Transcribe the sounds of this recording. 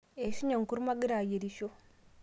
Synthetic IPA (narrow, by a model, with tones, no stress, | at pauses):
e˨ʃi˦ɲa˨ŋ˨ku˦ɾma˦ɡi˦ɾa˨je˨ɾi˦ʃo˦